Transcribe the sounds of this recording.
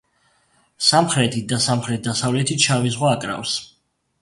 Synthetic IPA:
samχɾɛt̪ʰid̪asamχɾɛt̪̚d̪asavlɛt̪ʰit̪t͡ʃʰavizʁwaːkʼɾa̰fs

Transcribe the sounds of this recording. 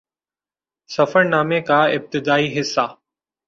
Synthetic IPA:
sɐfəɾnaːmekaːɪb̚t̪ɪd̪aːiːɦɪsːaː

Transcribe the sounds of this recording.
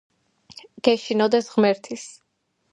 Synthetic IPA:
ɡ̥ɛʃinɔd̪ɛsʁmɛɾt̪ʰis

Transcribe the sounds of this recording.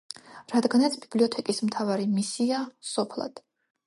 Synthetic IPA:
ɾad̪ɡanat̪sʰbibliɔt̪ʰɛkʼismt̪ʰavaɾimisiasɔpʰlˠa̰d̪̥

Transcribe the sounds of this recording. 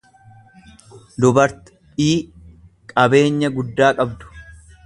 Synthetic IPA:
d̪ʊbɐɾt̪ | iː | kʼɐbe̞ːɲːɐɡʊd̪ːaːkʼɐbd̪ʊ̥

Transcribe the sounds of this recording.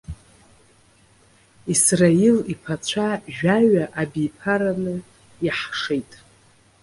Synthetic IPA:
israilipʰat͡ɕʷʰaʒᶣaɥaʔabijpʰaɾanɨ | jaħʂejtʼ

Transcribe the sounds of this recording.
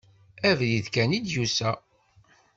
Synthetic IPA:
ævliðkænid̪jusæ

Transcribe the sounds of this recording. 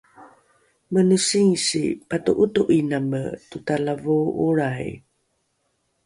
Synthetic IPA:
mənusiŋisḭpatuʔutuʔinamə̰tutalavuuɾaj

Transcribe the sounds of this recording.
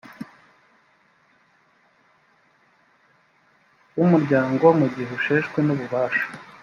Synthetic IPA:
umuɾɟaːŋɡoomuɟiɦuʃeːʃkwenuβuβaːʃḁ

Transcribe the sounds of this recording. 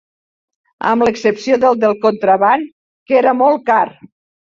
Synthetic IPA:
ə̰mləksəpsioðəlˠd̪əlˠkont̪ɾəβan | keɾəmɔlˠkaɾ

